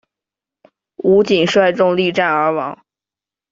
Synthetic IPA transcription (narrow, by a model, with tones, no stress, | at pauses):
u˧˥t͡ɕi˨˩nʂwa˥˧ɪʈ͡ʂʊ˥˧ŋli˥˧ʈ͡ʂa˥˩nə˞˧˥wɑ˧˥ŋ